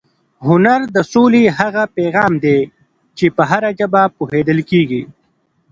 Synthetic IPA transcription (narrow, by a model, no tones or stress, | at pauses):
ɦʊnaɾd̪əsoːliɦaɣapeːɣɑːmd̪e | t͡ʃepəɦaɾad͡ʒəbapuɦeːd̪əlkeːɡi